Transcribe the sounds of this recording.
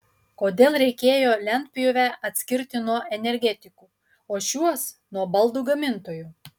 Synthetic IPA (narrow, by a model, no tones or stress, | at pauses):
koːd̪ʲeːlˠɾʲɛɪkʲeːjoːlʲɛnʲt̪ʲpʲɪjoːʋʲæɐt̪ʲsʲkʲɪɾʲt̪ʲɪnuɔʔɛnʲɛɾʲɡʲɛt̪ʲɪkuː | oːʃʲuɔsnuɔbɐlˠd̪uːɡɐmʲɪnt̪oːjuː